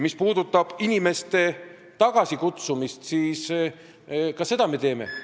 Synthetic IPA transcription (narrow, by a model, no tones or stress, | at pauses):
mispuːd̪̥ut̪ːˑɑb̥inime̞st̪e̞ | t̪ɑɡ̥ɑsʲikut̪sumist̪siːs | kɑsːe̞d̪̥ɑme̞t̪e̞ːme̞̰